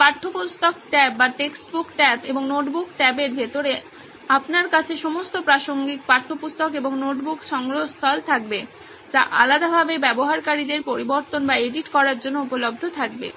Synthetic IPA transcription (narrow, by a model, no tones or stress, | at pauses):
paɾʈʰːopust̪ok̚ʈɛp̚baʈeksʈbukʈɛpeboŋnoʈbukʈɛpeɾbʱet̪oɾe | apnaɾkat͡ɕʰeʃomost̪opɾaʃoŋɡik̚paɾʈʰːopust̪okeboŋnoʈbukʃɔŋɡɾost̪ʰɔlt̪ʰak̚be | d͡ʑa̰ʔalad̪abʱabebɛboɦaɾkaɾid̪eɾpoɾiboɾt̪onbaeɖiʈkɔɾaɾd͡ʑonːoupolob̚d̪ʱot̪ʰak̚bḛ